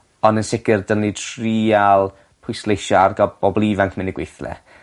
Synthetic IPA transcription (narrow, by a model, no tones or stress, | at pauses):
ɔndənsɪkɪrdənitʰriːalˠ | pʰʊjslˠejʃɔarɡɔb̥ɔblˠiːvankʰmɪnɪɡ̥wejθlɛ̰